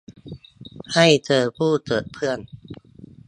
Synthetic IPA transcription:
ha˥˩jt͡ɕɤː˧pʰuː˥˩t̪ɤː˨˩t̪̚pʰɯ˥˩ən

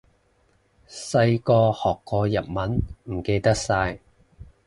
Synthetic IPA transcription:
sɐ˧jkɔː˧hɔː˨˩kːɔː˧jɐ˨t̚mɐ˨˥nm̩˨˩ke˧jt̪ɐ˥k̚saː˧j

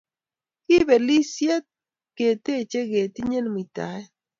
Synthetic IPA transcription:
kɪ˦be˨li˦sje˦t̚ | ke˨te˦˨t͡ʃe˦ɡe˨ti˦ɲe˦lm˨i˨ta̰˨˦ɛ˦

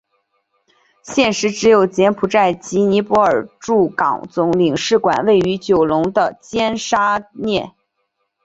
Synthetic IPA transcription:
ɕjɛ˥˩nʂɻ̩˧˥ʈ͡ʂɻ̩˧˥jo˨˩ʊt͡ɕjɛ˧˥npʰu˨˩ʈ͡ʂa˥˩ɪt͡ɕi˧˥ni˧˥pɔ˧˥ə˞˨˩ʈ͡ʂu˥˩kɑ̰˨˩ŋt͡sʊ˧˥ŋli˨˩ŋʂɻ̩˥˩kwa̰˨˩nwe˥˩ɪy˧˥t͡ɕjo˨˩ʊlʊ˧˥ŋd̪ə˧t͡ɕjɛ˥nʂa˥njɛ˥˩

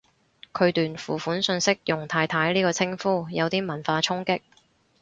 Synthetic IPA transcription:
kʰɵ˨˧ɥt̪yː˨nfuː˨˩fuː˨˥nsɵ˧nsɪ˥k̚jʊ˨˩ŋt̪ʰaː˧jt̪ʰaː˨˥jliː˥kɔː˧t͡sʰɪ˥ŋfuː˥jɐ˨˧wt̪iː˥mɐ˨˩nfaː˧t͡sʰʊ˥ŋkɪ˥k̚

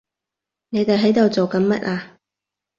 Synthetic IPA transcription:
ne˨˧jt̪e˨jɦɐ˨˥jt̪o˨˩wt͡so˨wkɐ˨˥nmɐ˥t̚ʔaː˧

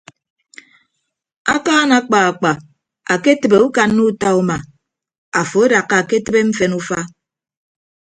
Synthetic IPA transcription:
a̰˦kaː˦na˨˦k͡pa˨a˨k͡pa˨ | a˨ke˦tɨ˨be˨u˦ka˨nːu˦ta˦u˦ma˨ | a˨fo˨e˦da˨kːa˨a˨ke˦tɨ˦be˦ɱ̩˦fe˨nu˦fa˦

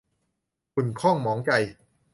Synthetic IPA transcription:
ku˨˩nkʰɔː˥˩ŋmɔː˩˦ŋt͡ɕa˧j

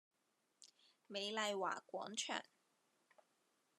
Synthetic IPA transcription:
me˨˧jlɐ˧jwa̰ː˨˩kʷɔː˨˥ŋt͡ʃʰœ̰ː˨˩ŋ

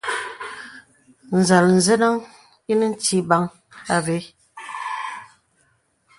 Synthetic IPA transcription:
n̩˨za˨ln̩˨ze˦na˦ŋ | i˦ni˦n̩˦ti˦ba˦ŋ | a˦ve˨˦

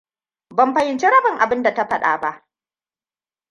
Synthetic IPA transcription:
bɐ˦mɸɐ˦jɪ˦nt͡ʃi˦ɽɐ˦bɪ˨ŋʔa̰˨bɪ˦nda˨ta˦ɸɐ˦ɗa̰ː˨ba˦ʔ

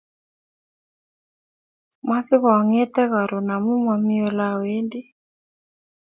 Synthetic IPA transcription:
ma˦θɪ˦βŋɛ˦t̪ɛ˦ɣa˨ɾɔ˨na˨mu˦mwa˨mi˦ɔ˨la˦wɛ˦ndi˦

